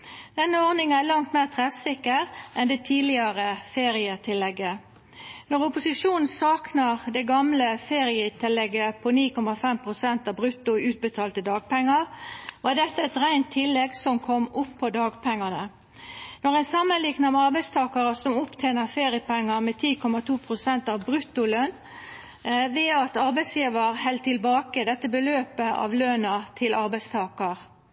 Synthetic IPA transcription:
d̪̥ɛnːəɔʁnɪŋənælɑŋt̪meːʁt̪ʰʁɛfsɪkːəʁʔɛnd̪ɛːt̪ʰiːlɪɑʁəfeːʁɪət̪ʰɪlːɛɡːə | nɔʁʊpʊsɪʂuːnn̩sɑːknɑʁd̪ɛɡɑmləfeːʁɪət̪ʰɪlɛɡəpʰɔniːkɔmɑfɛmpʰʁʊsɛnt̪ɑbʁʉt̪ːʊʉːt̪̚bət̪ʰɑːlt̪əd̪ɑːɡ̚pɛŋːəʁʋɑːɖɛt̪ːəɛt̪ɾæɪnt̪ʰːɪlːɛɡsɔmkʰɔmʊpʰːɔd̪ɑːɡpʰɛŋːɑnə | nɔʁɛɪnsɑmːənlɪɡnɑmɛɑɾbæɪst̪ʰɑːkɑʁəsɔmʊpt̪ʰeːnəfeːʁɪəpɛŋːəmɛt̪ʰiːkʰɔmɑt̪ʰuːpʰɾʊsɛnt̪ɑʋbɾʉt̪ːʊløn | ʋɛːɑt̪ɑɾbæɪsjiːʋəɾhɛld̪̚t̪ʰɪlbɑːkəd̪ɛt̪ːəbəløːpəʔɑ̰ʋlønɑt̪ʰɪlʔɑɾbæɪst̪ʰɑːkəʁ

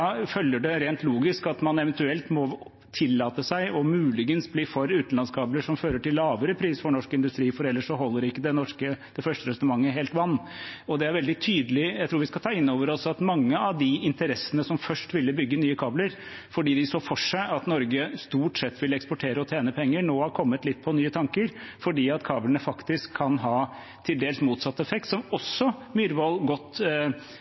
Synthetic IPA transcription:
ɑfœljəɖɛɾeːnt̪luːɡɪskɑt̪mɑnɛʋɛnt̪ʉɛlt̪mɔ | t̪ʰɪlːɑːt̪əsæɪɔmʉːlɪɡənsbliːfɔɾʉːt̪n̩lɑnskʰɑːbləʂɔmføːɾəʈɪlːɑːʋəɾəpʰɾiːsfɔɳɔʂkɪnd̪ʉst̪ɾiːfɔɾɛlːəʂɔɦɔlːəɾɪkːəd̪ɛnɔʂkəd̪̥ɛfœʂʈəɾɛsnəmɑŋːəɦeːlt̪ʋɑnː | ɔd̪ɛæɾʋɛld̪ɪt̪ʰyːd̪əlɪjæɪt̪ʰuːʋɪskɑt̪ʰɑːɪnːoːʋəɾɔsɑt̪mɑŋːəɑʋd̪ɪɪnt̪əɾɛsːənəsɔmfœʂʈʋɪlːəbʏɡːənyːəkʰɑːbləɾ | fɔɖiːd̪ɪsoːfɔʂæɪʔɑt̪nɔɾɡəst̪uːʈsɛt̪ːʋɪlːɛkspɔʈʰeːɾəɔt̪ʰeːnəpʰɛŋːənoːhɑɾkʰɔmːət̪lɪt̪̚ːpʰɔnyːət̪ʰɑŋkəɾfɔɖiːɑt̪kʰɑːblənəfɑkt̪ɪskʰːɑnɦɑː | t̪ʰɪld̪eːlsmuːt̪sɑt̪ːəɛfɛk̚t̪sɔmɔsːɔmyːɾʋɔlɡɔt̪ː

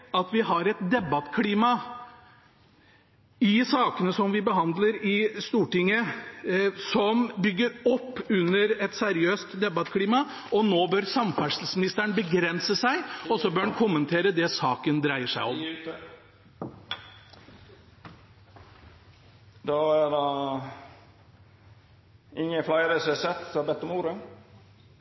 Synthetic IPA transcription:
ɑt̪ʋɪɦɑɾɛt̪d̪ɛbɑt̪ːkʰliːmɑ | ɪsɑːkənəsɔmʋɪbəɦɑnd̪ləɾɪst̪uːʈɪŋːə | sɔmbʏɡːəɾɔpːʉnːəɾɛt̪sɛɾɪøːst̪d̪ɛbɑt̪kʰliːmɑ | ɔnoːbœɾsɑmfæʂl̩smɪnɪst̪əɳbəɡɾɛnsəsæɪɔsɔbøːɳkʰʊmːənt̪ʰeːɾəd̪ɛsɑːkənd̪ɾæɪəʂæɪɔ̰m | d̪ɑæd̪e | ʔɪŋːəflɑɪɾɛsɛsɛt̪ːsbɛt̪ːɔmuːɾə

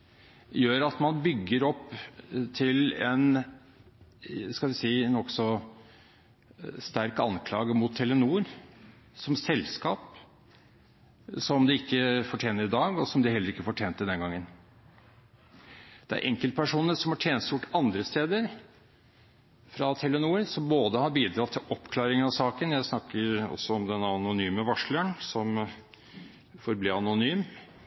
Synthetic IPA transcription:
jøːɾɑt̪mɑnbʏɡːəɾɔpːt̪ʰɪlɛn | skɑlʋɪsiːnɔksɔ | st̪æɾkɑ̰nkʰlɑ̰ːɡəmʊt̪ʰːɛlːənuːɾ | sɔmsɛlskɑːp | sɔmd̪ɪɪkːəfɔʈʰjeːnəɾɪd̪ɑːɡɔsɔmd̪ɪhɛlːəɾɪkːəfɔʈʰjeːnt̪ːəd̪ɛnɡɑŋːən | d̪̥ɛæ̰ɾʔɛ̰ŋkəlt̪̚pʰæʂuːnəʂɔmhɑʈʰjeːnsjʊʈːɑnd̪ɾəst̪eːd̪əɾ | fɾɑt̪ʰɛlːənuːɾsɔmboːd̪əhɑɾbiːd̪ɾɑːt̪ʰːɪlʔɔpːkʰlɑːɾɪŋənɑʋsɑːkənjæɪsnɑkːəɾɔ̰sːɔɔmd̪ɛnɑnʊnyːməʋɑʂləɳsɔm | fɔɾbliːɑnʊnyːm

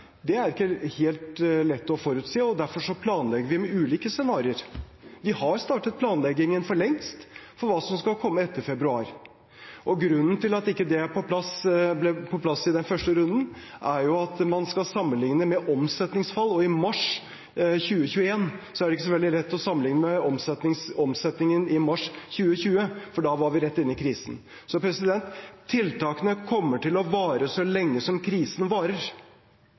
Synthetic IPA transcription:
d̪ɛæɾɪkːəheːlt̪lɛt̪ːɔfɔɾʉːt̪siːɔd̪æɾfɔʂɔpʰlɑːnlɛɡəɾʋɪmɛʉːliːkəsɛnɑːɾɪəɾʋɪhɑɾst̪ɑːʈət̪̚pʰlɑːnlɛɡɪŋənfɔɭɛŋst̪fɔɾʋɑːsɔmskɑkʰɔmːəɛt̪ːəɾfɛbɾʉɑːɾ | ʔɔɡɾʉnːnt̪ɪlɑt̪ɪkːəd̪ɛæpʰɔpʰlɑsblɛpʰɔpʰlɑsɪd̪ɛnfœʂʈəɾʉnd̪ənʔæɾjʊɑt̪mɑnskɑlsɑmːənlɪŋnəmɛʔɔmsɛt̪nɪŋsfɑlːɔɪmɑʂ | çʉːəçʉːəeːnsɔæɖɛɪkːəs̬ɔʋɛld̪ɪlɛt̪ːɔsɑmənɪŋnəmɛɔmsɛt̪nɪŋsɔmsɛt̪nɪŋənɪmɑʂçʉːəçʉːəfɔɖɑʋɑɾʋɪɾɛt̪ːɪnːɪkʰɾiːsən | sɔpʰɾɛsɪd̪ɛnt̪ʰːɪlt̪ɑːkənəkʰɔmːəʈɪlɔʋɑːɾəsɔlɛŋːəsɔmkʰɾiːsənʋɑːɾəɾ

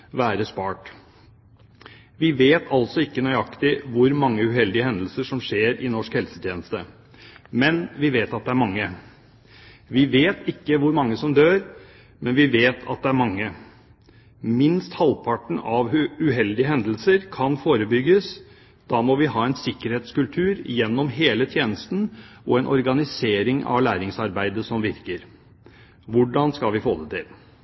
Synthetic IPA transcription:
ʋæːɾəspɑːʈ | ʋɪʋeːt̪ʰɑlsɔɪkːənœʏɑkt̪ɪʋʊɾmɑŋːəʉhɛld̪ɪəhɛnd̪l̩səʂɔmʂeːɾɪnɔʂkhɛlsə̥t̪ʰjeːnəst̪ə | mɛnʋɪʋeːt̪ɑt̪̚d̪ɛæɾmɑŋːə | ʋɪʋeːt̪ɪkːəʋʊɾmɑŋːəsɔmd̪øːɾ | mɛnʋɪʋeːt̪ʰɑ̰t̪̚d̪ɛæɾmɑŋːə | mɪnst̪hɑlpʰɑʈɳ̩ɑʋʉʉɦɛld̪ɪəɦɛnd̪l̩səɾkʰɑnfoːɾəbʏɡːəs | d̪̥ɑːmɔʋɪɦɑːɛɪnsɪkːəɾheːt̪skʉlt̪ʰʉːɾjɛnːɔmɦeːlət̪ʰjeːnəst̪n̩ɔɛnʔɔ̰ɾɡɑnɪseːɾɪŋɑ̰ʋlæːɾɪŋsɑɾbæɪd̪əsɔmʋɪɾkəɾ | ʋʊɖɑnskɑlʋɪfoːd̪ət̪ʰɪl

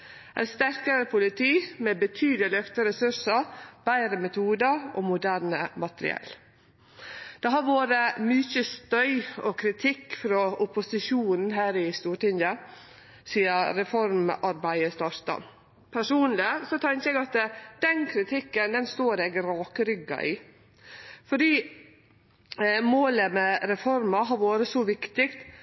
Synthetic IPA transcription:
ʔæ̰nst̪æɾkəɾəpʰʊlɪt̪ʰiːmɛːbət̪ʰyːd̪lɪlœft̪əɾɛsʉʂəɾb̥æɪɾəmɛt̪ʰuːd̪əɾɔmʊd̪æːɾɳəmɑt̪ɾɪ̰ɛ̰l | d̪̥ɛɦɑɾʋoːɾəmʏçəst̪œʏɔkʰɾɪt̪ʰɪkːfɾɔʔʊpʊsɪʃuːnn̩ɦæːɾɪst̪uːʈɪŋd̪ɑ | siːəɾɛfɔɾmʔɑɾbæɪəst̪ɑst̪ɑ̰m | pʰæʂuːnlɪsɔt̪ʰɛŋkəɛːɡɑt̪d̪̥ɛnkʰɾɪt̪ʰɪkːənd̪ɛnst̪oːɾɛɡɾɑːkəɾʏɡɑ̰ʔɪ | fɔɖiː | moːləmɛɾɛfɔɾmɑɦɑɾʋoːɾəsɔʋɪkt̪ɪkt̪

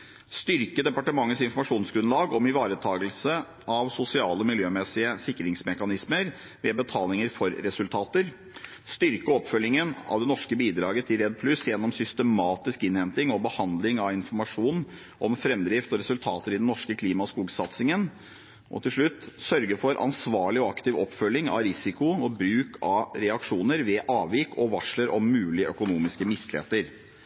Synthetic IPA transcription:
st̪ʏɾkəd̪ɛpɑʈəmɑŋːəsɪnfɔɾmɑʂuːnsɡɾʉnlɑːɡɔmɪʋɑːɾət̪ʰɑːɡəlsə | ʔɑʋsʊsɪɑːləɔmɪljøːmɛsɪəsɪkːɾɪŋsmɛkɑnɪsməɾ | ʋɛbət̪ʰɑːlɪŋəɾfɔɾːɛsʉlt̪ʰɑːt̪əɾ | st̪ʏɾkəɔpːfœlːɪŋənɑ̰ʋd̪ɛnɔʂkəbiːd̪ɾɑːɡət̪ʰɪlɾɛd̪̚pʰlʉsjɛnːɔmsʏst̪əmɑːt̪ɪskɪnhɛnt̪ɪŋɔbəhɑnd̪lɪŋɑʋɪnfɔɾmɑʂuːn | ʔɔmfɾɛmd̪ɾɪft̪ɔɾɛsʉlt̪ʰɑːt̪əɾɪd̪nnɔʂkəkʰliːmɑskuːɡsɑt̪sɪŋən | ʔɔ̰t̪ʰɪlʂɭʉt̪ːsœɾɡəfɔɾʔɑ̰nsʋɑːɭɪɔɑkt̪ɪʋɔpːfœlːɪŋɑ̰ʋɾɪsɪkʊɔbɾʉːkʰɑɾɛɑkʂuːnəɾʋɛʔɑːʋɪkʰɔʋɑʂɭəɾɔmːʉːlɪəʔœkʊnuːmɪskəmɪst̪ːlḛːt̪əɾ

